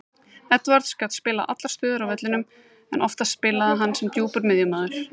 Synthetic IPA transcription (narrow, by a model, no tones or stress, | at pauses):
ɛt̪vaɾt̪skaːt̪spɪːlaʔa̰t̪laɾ̥st̪œːðʏɾawvɛt̪lɪnʏm | ɛnʔɔft̪aspɪːlaðaɦanːsɛmt̪juːpʏɾmɪðjʏmaːðʏɾ̥